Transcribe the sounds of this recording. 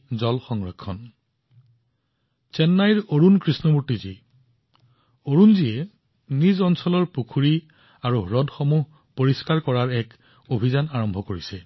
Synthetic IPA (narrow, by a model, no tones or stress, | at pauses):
zɔlxɔŋɹɔkʰːɔn | t͡ʃɛnːajɹoɹunkɹisnɔmuɹtizi | oɹunziɛ | nizɔnsɔlɔɹpukʰuɹi | aɹuɹɔdʱxomuɦ | poɹiskaɹkɔɹaɹɛk | obʱizanaɹɔmbʱɔkoɹisɛ